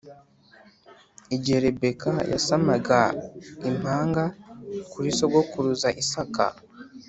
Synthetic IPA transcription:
iɟe̞ɾebe̞kaja̰samaɡaim̥haːŋɡakuɾiso̞ɡo̞kuɾuzaʔisaka̰

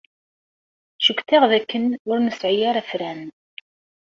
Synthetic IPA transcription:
ʃukt̪æʁðækːənʊɾnəsʕijaɾˤæfɾæn

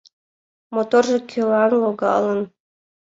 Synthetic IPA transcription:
mot̪orʒɤ̆kʲʰylɑnlˠoɡɑ̰lˠɤ̆n

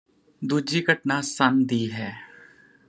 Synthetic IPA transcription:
d̪uːd͡ʒiːɡʱəʈnaːsənd̪iːɦɛː

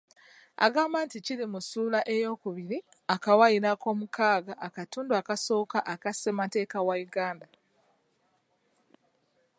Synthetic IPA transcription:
a̰ɡaːmbanticiɾimusuːlaʔe̞jo̞ːkuβiɾi | akawajiɾako̞ːmukʰaːɡaʔːkatuːnduakaso̞ːkaʔakase̞mate̞ːkawajuɡaːnda

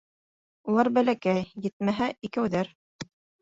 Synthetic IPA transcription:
ulˠɑɾbælækæjjɘ̆t̪̚mæɦæʔikæwðæɾ

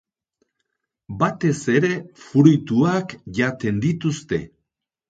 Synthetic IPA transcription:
bat̪e̞se̞ɾe̞fuɾujt̪uakʝat̪e̞nd̪it̪ust̪e̞̰

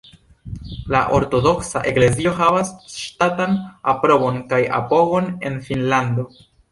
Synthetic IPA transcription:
la̰ʔo̞ɾto̞do̞ksaʔekle̞zio̞ɦavasʃtatanapɾo̞bo̞nkaja̰po̞ɡo̞ne̞̰nfinlando̞

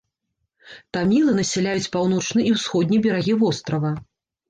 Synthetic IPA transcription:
t̪amʲilˠɨnɐsʲɛlʲajut͡sʲpawnɔt͡ʂnɨʔiwsxɔd̪̚ʲnʲibʲɛɾaɣʲivɔst̪ɾɐvɐ

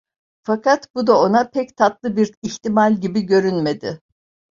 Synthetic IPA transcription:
fakat̪bud̪ao̞napʰɛct̪ʰat̪lˠɯbiɾiçt̪imalʲɟibiɟø̞ɾynme̞d̪ɪ

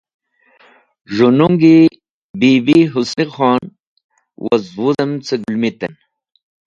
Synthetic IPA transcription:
ʒunuŋɡi | bibiɦusniχɑːn | wɐ̰zwuzɐmt͡seɡulmit̪ɐ̰n

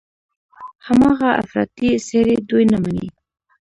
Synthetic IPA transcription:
hamɑɣaʔa̰fɾɑ̰t̪iseɾed̪ujnamanḭ

